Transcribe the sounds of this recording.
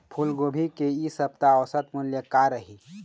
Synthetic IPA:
pʰulɡoːbʱikeisɐb̚t̪aɔɾsɐt̪muljəkaɾəɦiː

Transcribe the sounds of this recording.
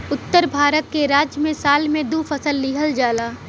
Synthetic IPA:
ʊt̪ːəɾbʱaːɾət̪̚keɾaːd͡ʒjəmẽsaːlmẽd̪ufʰəsəlːɪɦəld͡ʒaːlaː

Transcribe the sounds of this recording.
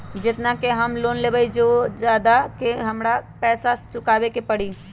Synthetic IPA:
d͡ʒɪt̪nakeɦɐmloːnleːbaid͡ʒoːd͡ʒjaːd̪akeɦɐmɾapɛːsat͡ʃʊkaːʋekepɐɽi

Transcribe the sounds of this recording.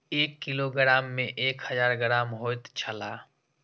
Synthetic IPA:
eːkːiloɡəɾaːmːẽʔeːkhəzaːɾɡəɾaːmɦoːt̪t͡ʃʰəlaː

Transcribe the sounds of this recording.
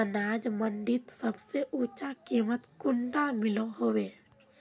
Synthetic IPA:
ɐnaːd͡ʒmɐnɖit̪sɐbseʔut͡ʃakimɐt̪kunɖaːmiloɦowe

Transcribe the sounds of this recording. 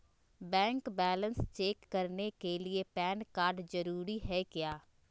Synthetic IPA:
bɛ̃ːŋkbɛːlənst͡ʃeːkːəɾnekelɪepɛːnkaːɾɖzəɾuːɾiɦɛːkɪjaː

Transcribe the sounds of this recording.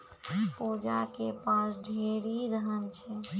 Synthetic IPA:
pod͡ʒakepasɖʱeɾid̪əɦənt͡ʃʰɛ

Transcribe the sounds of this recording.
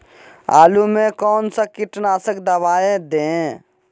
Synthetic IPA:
a̰ːlumekɔːnsəkɪʈnaːsəkd̪əbaːẽd̪ẽ

